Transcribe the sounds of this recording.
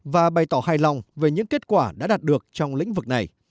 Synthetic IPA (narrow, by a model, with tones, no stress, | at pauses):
vaː˨˩ɓa˨˩jt̪ɔː˧˩haː˧jlɔ˨˩wŋ͡mve˨˩ɲɨ̰˧˥ŋke˦˥t̚kwaː˧˩ɗa̰ː˧˥ɗaː˨˩t̚ɗɨ˨˩ək̚t͡ɕɔ˧wŋ͡mlḭ˧˥ŋ̟vɨ˨˩k̚na˨˩j